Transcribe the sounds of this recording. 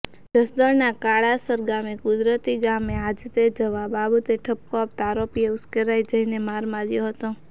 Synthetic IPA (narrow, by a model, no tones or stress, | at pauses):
d͡ʒəsd̪əɾnakaɭasəɾɡamekʊd̪ɾət̪iɡamead͡ʒt̪ed͡ʒəʋababət̪eʈʰəp̚koap̚t̪aɾopieʊskəɾajd͡ʒəinemaɾmãɾjõɦət̪õ